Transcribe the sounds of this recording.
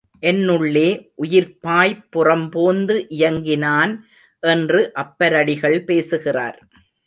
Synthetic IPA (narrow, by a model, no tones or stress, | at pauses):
ʔɛnːɯɭːeːʔʊjɪɾpaːjpːʊrɐmpoːnd̪ɯʔɪjɐŋɡɪnaːn | ʔɛndrɯʔɐpːɐɾɐɽɪɣɐɭpeːsɯɣɪra̰ːɾ